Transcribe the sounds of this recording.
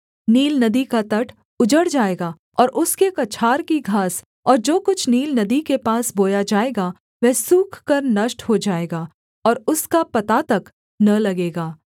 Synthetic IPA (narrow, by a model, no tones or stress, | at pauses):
niːlnɐd̪ikat̪ɐʈʰ | ʊd͡ʒəɽd͡ʒaːeːɡaː | ɔːɾʔʊskekɐt͡ʃʰaːɾkiɡʱaːs | ɔːɾd͡ʒoːkʊt͡ʃʰniːlnɐd̪ikepaːsboːjad͡ʒaːeːɡa | ʋɛːsuːkʰkɐɾnɐʃʈɦod͡ʒaːeːɡaː | ɔːɾʊskapɐt̪at̪ɐk | nɐlɐɡeːɡaː